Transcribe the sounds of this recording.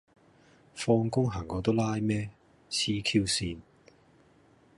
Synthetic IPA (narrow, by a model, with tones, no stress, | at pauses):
fɔː˧ŋkʊ˥ŋɦaː˨˩ŋːɔː˨˧t̪o˥wlaː˥jmɛː˥ | t͡sʰiː˥kʰiː˥wsiː˧n